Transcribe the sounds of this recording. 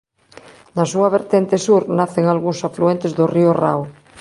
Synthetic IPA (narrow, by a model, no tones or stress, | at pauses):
nasuaβeɾt̪ent̪esuɾnaθeŋalɣuŋsafluent̪ezðoriora̰w